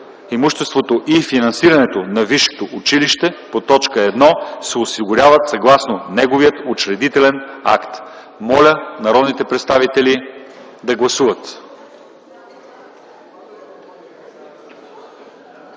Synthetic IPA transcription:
imuʃt̪ɛst̪vot̪oʔifinɐnsiɾɐnɛt̪onɐviʃːɛ̥t̪oʔʊt͡ʃiliʃt̪ɛpot̪ɔt͡ʃkəɛd̪nɔsɛosiɡʊɾʲavət̪sɐɡlˠasnonɛɡoviət̪ot͡ʃɾɛd̪it̪ɛlɛna̰kt̪ | mɔlʲənɐɾɔd̪nit̪ɛpɾɛt̪st̪avit̪ɛli | d̪ɐɡlˠɐsuvət̪

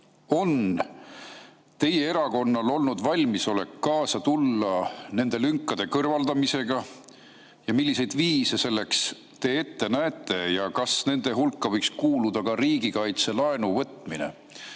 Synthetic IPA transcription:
o̞n | t̪e̞je̞eɾɑko̞nːɑlo̞lnud̪vɑlʲmiso̞le̞̰kːɑːsɑt̪ulːɑne̞nd̪̥e̞lyŋkːˑɑd̪̥e̞kɤrvɑld̪̥ɑmise̞ɡ̥ɑ | jɑmilʲːise̞jd̪̥viːse̞se̞lːe̞ks | t̪e̞ːe̞t̪ːenæet̪ːˑe̞jɑkɑsne̞nd̪̥e̞ɦulkːˑɑvɤjkskuːlud̪ɑkɑɾiːɡikɑjt̪se̞lɑe̞nuvɤt̪ːˑminḛ

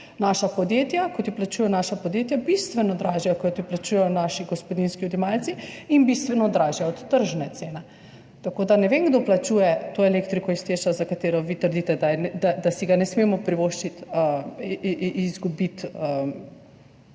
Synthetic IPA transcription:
naʃapɔd̪jeːt̪jakɔt̪iplat͡ʃuːjɛnaːʃapɔd̪jet̪jabist̪ʋɛnɔd̪ɾaʒiakɔt̪iplat͡ʃuːjɛjɔnaːʃiɡɔspɔd̪inskiɔd̪imalt̪siinbist̪ʋɛnɔd̪ɾaːʒijaɔt̪ːəɾʒnɛt̪seːnɛ | t̪akoːd̪anɛʋeŋɡd̪oplat͡ʃuːjɛt̪oɛlekt̪ɾikɔist̪eːʃazakat̪eːɾɔʋit̪əɾd̪it̪ɛd̪and̪ad̪asiɡanɛsmeːmɔpɾiʋoʃt͡ʃit̪ə | izɡubit̪əm

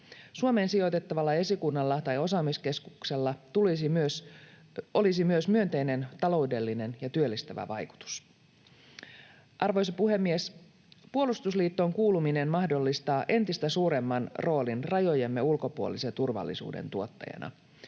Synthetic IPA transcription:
suome̞ːnsijo̞t̪e̞t̪ːɑʋɑlːɑe̞sikunːɑlːɑt̪ɑjo̞sɑːmiske̞skukse̞lːɑt̪ulisimyøs | ʔo̞lisimyøsmyønt̪e̞jne̞nt̪ɑlo̞wde̞lːine̞njɑt̪yølːist̪æʋæ̰ʋɑjku̥t̪u̥s | ʔɑrʋo̞jsɑpuɦe̞mːies | puolust̪usliːt̪ːo̞ŋkuːlumine̞nmɑhdo̞lːist̪ɑːʔe̞nt̪ist̪æsuːɾe̞mːɑnro̞ːlinrɑjo̞jemːe̞ulko̞puolisent̪urʋɑ̰lːḭsṵːdḛnt̪uo̞t̪ːɑ̰jɑ̰nʔɑ̰

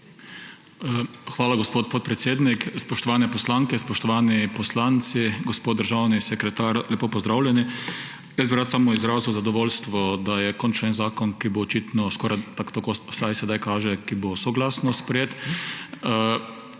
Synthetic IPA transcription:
xʋaːlaɡospot̪̚pot̪̚pɾɛt̪seːd̪nikspɔʃt̪ɔʋaːnɛpɔslaŋkɛspɔʃt̪ɔʋaːnipɔslaːnt̪siɡɔspod̪̚d̪əɾʒawnisɛkɾɛt̪aːɾlʲɛpoːpɔzd̪ɾaːwlʲjɛni | jɛsd̪biɾat̪samɔizɾaːziwzad̪ɔʋoːlst̪ʋɔd̪ajɛkɔnt͡ʃɛnzaːkɔnkiboːt͡ʃit̪nɔskɔɾajt̪akt̪akosajsɛd̪ajkaːʒɛkibosɔɡlaːsnɔspɾɛjeːt̪

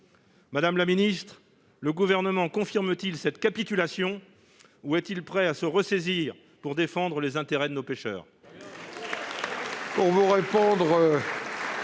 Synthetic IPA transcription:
mad̪amlaminist̪χ | ləɡuvɛʁnəmɑ̃kɔ̃fiʁmət̪ilsɛt̪kʲapit̪ylasjɔ̃ | uɛt̪ilpχɛasəʁəseziʁ | puʁd̪efɑ̃d̪ʁəlezɛ̃t̪eʁɛd̪ənopeʃœ̰ːʁ | puʁvuʁepɔ̃d̪ʁø

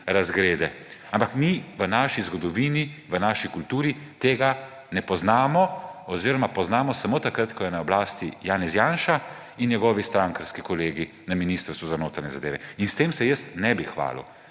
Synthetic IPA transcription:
ɾazɡɾeːd̪ɛ | ampakmiʋənaːʃizɡɔd̪ɔʋiːniʋənaːʃikult̪uːɾit̪eːɡa | nɛpɔznaːmɔɔziːɾɔmapɔznaːmɔsamoːt̪akɾat̪kɔjɛnaɔblaːst̪ijaːnɛzjaːnʃa | inɲɛɡɔːʋist̪ɾaŋkəɾskikɔleːɡi | naminiːst̪əɾst̪ʋuzanoːt̪aɾɲɛzad̪ḛːʋɛ̰inst̪eːmsɛjəst̪nɛbixʋa̰ːlṵ

